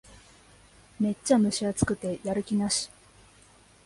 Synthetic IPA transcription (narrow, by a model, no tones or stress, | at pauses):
me̞t͡ɕːamɯ̟ɕiat͡sɨ̥kɯ̟t̪e̞jaɾɯ̟kʲinaɕi̥